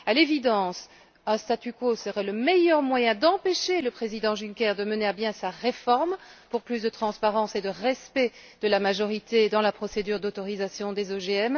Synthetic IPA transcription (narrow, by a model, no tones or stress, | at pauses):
alevid̪ɑ̃s | ɛ̃st̪at̪ykosəʁɛləmɛjœʁmwajɛ̃d̪ɑ̃peʃeləpχezid̪ɑ̃ʒynkʲɛʁd̪əməneabjɛ̃saʁefɔʁmpuʁplysd̪ət̪χɑ̃spaʁɑ̃sed̪əʁɛspɛ | d̪̥əlamaʒɔʁit̪ed̪ɑ̃lapχɔsed̪yːʁd̪ot̪ɔʁizasjɔ̃d̪ezoʒeɛm